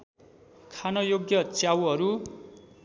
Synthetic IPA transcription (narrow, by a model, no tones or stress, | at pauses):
kʰanʌjoɡjʌt͡sjawɦʌɾu